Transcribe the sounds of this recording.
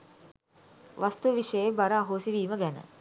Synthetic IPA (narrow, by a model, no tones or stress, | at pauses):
ʋast̪uʋəʋiʂəjebaɾəaɦoːsiʋiːməɡænə̰